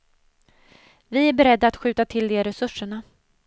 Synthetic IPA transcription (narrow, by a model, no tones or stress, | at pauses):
vɪæɾbɛɾɛd̪ːaːt̪ɧʉ̟ːt̪at̪ʰɪld̪eːɾɛsɵʂːəɳa